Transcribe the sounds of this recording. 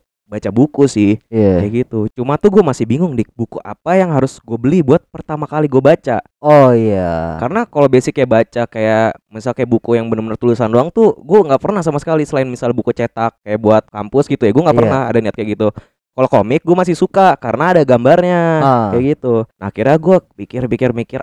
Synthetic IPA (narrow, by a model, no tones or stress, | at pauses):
bat͡ʃabukusɪhaajaɡit̪ut͡ʃumat̪uɡuɛmasɪhbiŋʊŋdibukuʔa̰pajaŋɦaɾʊsɡuabəlibuat̪̚pərt̪amakaliɡuabat͡ʃa | ojakaɾənakalobesɪkːajabat͡ʃakajamisalkajaʔbukujaŋbənəmənərt̪ulusandoaŋt̪ʊɡuaŋɡaʔpərnahs̬amasə̥kalisəlaɪnmisalbukut͡ʃet̪akːajaʔbuat̪̚kampʊsɡit̪ujaɡuaŋɡapərnaɦa̰daniat̪kajaɡit̪u | kalokomɪk̚ɡuamas̬ɪhsukakaɾənaːdaɡambarɲaajaɡit̪unakiɾaɡuapikɪrpikɪrmikɪr